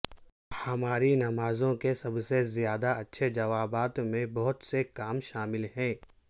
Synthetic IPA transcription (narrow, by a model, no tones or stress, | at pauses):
hɐmaːɾinɐmaːzõkesɐbsezijaːd̪aɐtːʃʰed͡ʒɐʋaːbaːt̪mẽbɐɦʊt̪sekaːmʃaːmɪlɦɛ̃ː